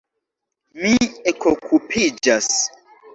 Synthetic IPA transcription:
miekokʰupʰid͡ʒas

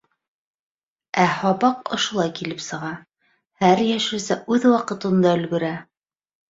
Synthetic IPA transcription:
æhɒβɑqŏ̰ʃŏlˠɑjkilɘpsɤ̆ʁɑ | hæɾjæʃɘ̆sæʔʉðwɑqɤ̆t̪ɤ̆nd̪ɑɵ̆lɡɵ̆ɾæ

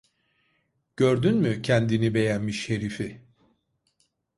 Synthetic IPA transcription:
ɟ̥ø̞ɾd̪ynmycʰɛnd̪inibe̞jænmiʃhe̞ɾifi

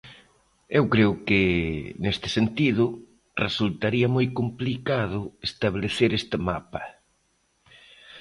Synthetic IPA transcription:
ewkɾeʊkɪnest̪ɪ̥sent̪iðʊ | result̪aɾiɐmojkomplikaðʊest̪aβleθeɾest̪ɪmapɐ

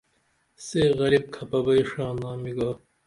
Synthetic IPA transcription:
seːɣɐlib̚kʰɐpɐbɐiʂaːnaːmiɡaː

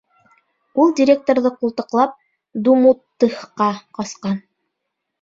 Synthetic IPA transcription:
ulˠdʲɪɾʲe̞k̚t̪oɾðɤqulˠt̪ɤ̆qlˠɑp̚ | d̪umut̪ːɤ̆hqɑqɑsqɑn

